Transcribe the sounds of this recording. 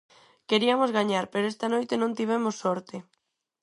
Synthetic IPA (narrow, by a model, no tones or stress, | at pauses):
keɾiamozɣaɲaɾpeɾoest̪anojt̪enõnt̪iβ̞emosːɔɾt̪e